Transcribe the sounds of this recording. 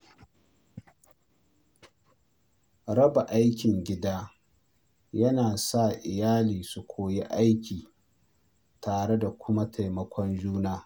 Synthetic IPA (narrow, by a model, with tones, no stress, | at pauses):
ɾɐ˦ba˨ʔa˦jkʲɪ˨ŋɡʲɪ˦daː˦ | jɐ˦naː˨sa˦˨ʔɪ˨jaː˦liː˨su˨kʷʰoː˨ji˦ʔa˦jkʲiː˨ | taː˨ɽe˦da˨kʷʊ˦ma˦tʰa˨jmɐ˨kʷʰɔ˦nd͡ʒuː˦naː˦